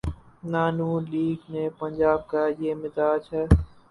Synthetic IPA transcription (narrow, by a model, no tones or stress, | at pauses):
naːnũːliːɡneːpənd͡ʒaːb̚kaːjeːmɪd̪aːd͡ʒɦɛː